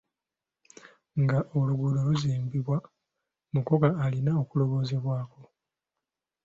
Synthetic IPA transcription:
ŋɡaʔoluɡuloluziːmbiβwa | mukokaːlinaokulo̞βo̞ːze̞βwaːko̞

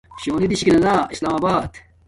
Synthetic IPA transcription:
ɕoːnid̪iɕi̥kinɐnaːislaːmaːbaːd̪̥

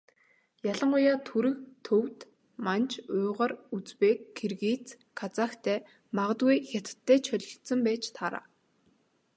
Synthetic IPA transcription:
jaɮə̆ɴʊjaːt̪ʰuɾɘ̆kt̪ʰɵwt̪ | mant͡ɕʰʊːʁarut͡speːkʰːerɣiːt͡s | kʰat͡saːxt̪ʰæː | maʁə̆t̪ɣujxʲat̪t̪ʰːæːt͡ɕʰœɮʲɞ̆ɬt̪sə̆mpæːt͡ɕt̪ʰaɾa̰ː

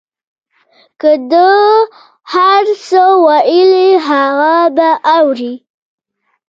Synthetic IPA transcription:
kəd̪ə | haɾsəwajəliɦaɣabaʔawɾi

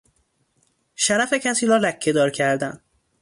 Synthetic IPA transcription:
ʃæɾæfe̞cʰæsiːɾɒːlæcʰːe̞d̪ɒːɾcʰæɾd̪æn

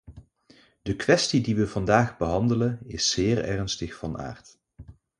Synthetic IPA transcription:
dəkʋɛstidiʋəv̥ɑndaːχbəɦɑndələnɪsːɪːrɛ̰rnstəχfɑna̰ːɹt

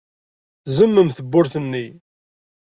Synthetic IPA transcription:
zəmːəmθəbːʊɾθənːi

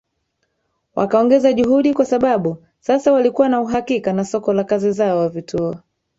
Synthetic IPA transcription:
wʔa̰kaɔŋɡɛzaʄuɦuɗikwasaɓaɓu | sasawalikuwanauɦakikanasɔkɔlakazizaɔwavitʰuɔ

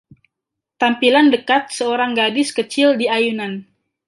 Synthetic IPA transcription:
t̪ampilandəkat̪̚səoɾaŋɡadɪskət͡ʃɪldiajunan

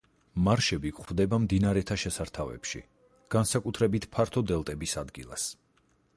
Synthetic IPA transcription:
maɾʃɛbikχvd̪ɛbamd̪inaɾɛt̪ʰaʃɛsaɾt̪ʰavɛ̰pʃḭ | ɡ̥ansakʼut̪ʰɾɛbit̪ʰpʰaɾt̪ʰɔd̪ɛlˠt̪ʼɛbisad̪ɡḭlˠa̰s

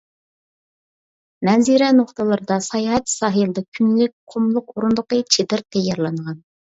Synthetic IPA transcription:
nɛziɾɛnoχt̪əlˠɨɾɨd̪ɑsɑjɑɦɛt̪sɑːɦɨlˠɨd̪ɑkʲʰynlɪk̚ʲqʰomlˠʊq̚oɾund̪ʊqət͡ʃʰed̪ɪɾt̪ʰɛjːɑɾlˠɑŋʁɑn

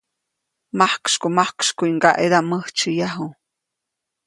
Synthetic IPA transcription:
mahkʃkumahkʃkuiŋɡaʔeɾaməht͡ʃɨjaɦu

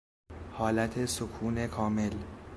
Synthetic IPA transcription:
hɒːlæt̪ʰe̞sokʰuːne̞kʰɒːme̞l

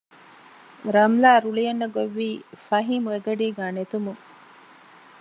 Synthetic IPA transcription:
ɾɐmlaːɾulijɐnːɐɡoʋːiːfɐɦiːmueɡɐɖiːɡaːnet̪umu

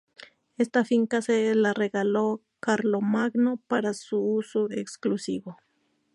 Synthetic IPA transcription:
est̪afiŋkaselareɣalo | kaɾlomaɡnopaɾasuusoeksklusiβo

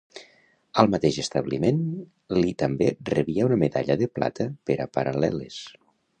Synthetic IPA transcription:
əlˠmat̪eʒəst̪əβlimen | lit̪əmberəβiəunəmeðaʎəðəpla̰t̪əpəɾə̰pəɾalɛ̰les

